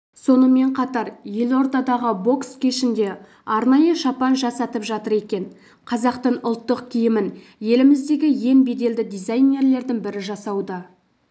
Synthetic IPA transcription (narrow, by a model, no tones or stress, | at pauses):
so̞nəme̞ɴqʰɑt̪ɑɾje̞lo̞ɾt̪ɑd̪ɑʁəbo̞kskʲʰeʃɪnd̪e̞ | ɑɾnɑjəʃɑpɑnʒɑsɑt̪əpʒɑt̪əɾe̞kʲe̞n | qʰɑzɑqt̪əɴʊlˠt̪ːəqkʲʰijɪmɪn | je̞lɪmɪzd̪e̞ɡʲɪje̞nbe̞d̪e̞ld̪ɪd̪ijzajne̞ɾle̞ɾd̪ɪŋbɪɾɪʒɑsɑwd̪ə